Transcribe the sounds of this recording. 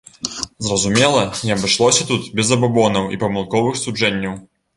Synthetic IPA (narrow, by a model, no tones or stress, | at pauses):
zrɐzumʲɛlˠɐniɐbɨʂlˠɔsʲɐt̪ut̪bʲɛzɐbabɔnɐwḭpɐmɨlˠkɔvɨxsud͡ʐɛnʲːɐw